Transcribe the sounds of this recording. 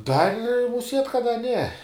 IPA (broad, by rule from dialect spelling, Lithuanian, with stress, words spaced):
ˈdɐrʲ mʊˈsʲiɛtʲ kɐt dɐ nʲɛ